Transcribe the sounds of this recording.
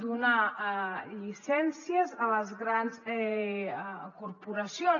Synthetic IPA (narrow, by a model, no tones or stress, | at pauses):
d̪una | ʎisɛnsijəzələzɣɾanzɛ | kuɾpuɾəsjo